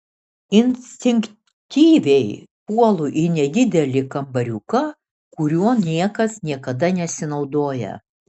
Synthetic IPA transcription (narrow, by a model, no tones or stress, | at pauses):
ɪnʲsʲt̪ʲɪŋʲk | t̪ʲiːʋʲɛɪpuɔlˠʊʔɪnʲɛd̪ʲɪd̪ʲɛlʲɪkɐmbɐɾʲukɐ | kʊɾʲuɔnʲiɛkɐsnʲiɛkɐd̪ɐnʲɛsʲɪnɒʊd̪oːjɛ̰